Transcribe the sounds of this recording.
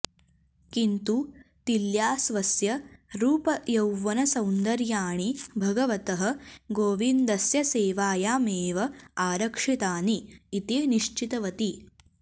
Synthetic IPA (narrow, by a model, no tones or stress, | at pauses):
kint̪ut̪iljaːsʋɐsjɐɾuːpɐjɐwʋɐnɐsɐwnd̪ɐɾjaːɳibʱɐɡɐʋɐt̪ɐɦɐ̆ɡoːʋind̪ɐsjɐseːʋaːjaːmeːʋɐaːɾɐkʂit̪aːniːt̪eːniʂt͡ʃit̪ɐʋɐt̪i